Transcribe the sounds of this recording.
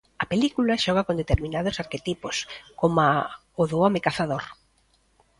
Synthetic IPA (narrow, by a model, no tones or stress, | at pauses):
ɐpelikulɐʃɔɣ̞akond̪et̪eɾmĩnað̞ʊsaɾket̪iposkoma | oðoɔmekaθaðoɾ